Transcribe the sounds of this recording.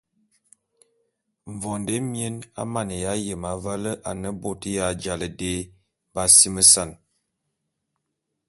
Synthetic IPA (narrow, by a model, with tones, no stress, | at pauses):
ɱ˨vɔ˨nde˦mje˦na̰˦ma˨nə˨ja˨˦jə˨ma˨va˦lə˦ʔa˨nə˦bo˦tə˦ja˦˨d͡ʒa˨lə˨de˦ | ba˦si˦mə˦sa˦˨n